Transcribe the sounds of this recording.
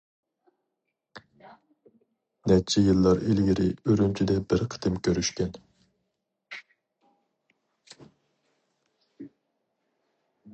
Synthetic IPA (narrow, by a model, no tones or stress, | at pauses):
nɛt͡ʃʰɛjɨlˠːɑɾilɡʲiɾɪøɾynt͡ʃʰid̪ɛbɪɾqʰə̥t̪ɨmkʲʰøɾyʃkʲɛn